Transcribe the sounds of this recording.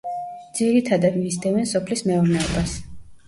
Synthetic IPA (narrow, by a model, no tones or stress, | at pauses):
d̪ziɾit̪ʰad̪ad̪misd̪ɛvɛnsɔpʰlismɛuɾnɛɔbas